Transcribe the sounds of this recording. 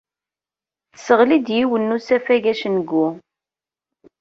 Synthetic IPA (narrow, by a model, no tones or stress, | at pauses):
θəsəʁlid̪jiwənːusæfæʝæʃənəɡːu